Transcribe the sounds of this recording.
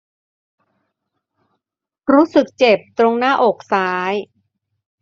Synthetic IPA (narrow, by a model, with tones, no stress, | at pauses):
ɾuː˦˥sɯ˨˩k̚t͡ɕe˨˩p̚t̪ɾo˧ŋnaː˥˩ʔoː˨˩k̚saː˦˥j